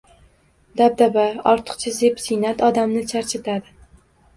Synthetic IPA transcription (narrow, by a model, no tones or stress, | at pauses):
d̪ab̚d̪abaɒɾt̪ʰɨ̥qt͡ʃʰazepsɪjnat̪ʰɒd̪amnɪt͡ʃʰaɾt͡ʃʰɪt̪ʰad̪ɪ